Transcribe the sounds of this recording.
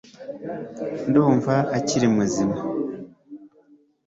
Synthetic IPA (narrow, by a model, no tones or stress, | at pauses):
nduːɱvaːciɾimuzima